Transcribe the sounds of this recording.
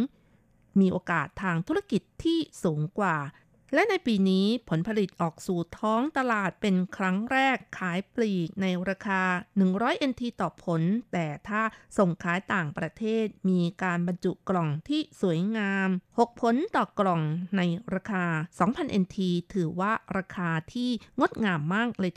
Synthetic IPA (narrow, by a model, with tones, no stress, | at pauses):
miː˧ʔoː˧kaː˨˩t̪ʰːaː˧ŋt̪ʰu˦˥ɾa˥˧˩ki˨˩t̪ʰːiː˥˩suː˩˦ŋkwaː˨˩ | lɛ˦˥ʔna˧jpiː˧niː˦˥pʰo˩˦npʰa˧li˨˩t̪̚ʔɔː˨˩k̚suː˨˩t̪ʰɔː˦˥ŋt̪a˧laː˨˩t̪̚pe˧nkʰɾa˦˥ŋɾɛː˥˩kʰːaː˩˦jpliː˨˩k̚na˧jɾaː˧kʰaː˧nɯ˨˩ŋɾɔː˦˥jʔe˧nt̪ʰiː˧t̪ɔː˨˩pʰo˩˦nt̪ɛː˨˩t̪ʰaː˥˩so˨˩ŋkʰaː˩˦˥jt̪aː˨˩ŋpɾa˧t̪ʰeː˥˩t̪̚miː˧kaː˧nba˧nt͡ɕu˨˩ʔklɔ˨˩ŋt̪ʰiː˥˩su˩˦əjŋaː˧mho˨˩k̚pʰo˨˩˦nt̪ɔː˨˩klɔ˨˩ŋna˧jɾaː˧kʰaː˧sɔː˩˦ŋpʰa˧nʔe˧nt̪ʰiː˧t̪ʰɯː˩˦waː˥˩ɾaː˧kʰaː˧t̪ʰiː˥˩ŋo˦˥t̪̚ŋaː˧mːaː˥˩k̚lɤː˧j